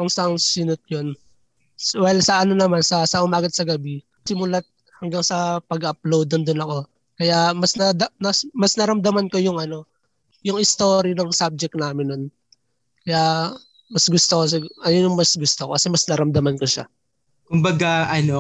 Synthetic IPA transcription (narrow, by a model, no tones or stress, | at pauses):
koŋsɐŋsɪnʊt̪̚jon | swajlsɐʔɐno̞nɐmansɐsɐʔʊmaːɡɐt̪̚sɐɡɐbi | sɪmʊlat̪̚ | hɐŋɡaŋsɐpɐɡɐʔɐplowd̪ond̪ʊnɐko̞ | kɐjamɐsnɐd̪ɐɐsmɐsnɐɾɐmd̪ɐmɐnkojʊŋʔɐno̞ | jʊŋɪst̪o̞ːɾinɐŋsab̚d͡ʒɛk̚naːmɪnːon | kɐjaʔ | mɐsɡʊst̪okos̬ɐɡʔɐjonjʊŋmɐsɡʊst̪okokɐsɛmɐsnɐɾɐmd̪ɐmɐnkoʃa̰ | kʊmbɐɡaʔɐno